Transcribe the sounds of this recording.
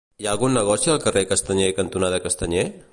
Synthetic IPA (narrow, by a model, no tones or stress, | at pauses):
jaːɡunːɐɡɔɾsalkɐɾekɐst̪ɐɲekɐnt̪unad̪ɐkɐst̪ɐɲe